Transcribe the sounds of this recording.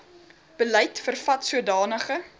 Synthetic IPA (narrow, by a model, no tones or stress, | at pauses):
b̥əlɛjtfərfɐtsuədɑːnəχə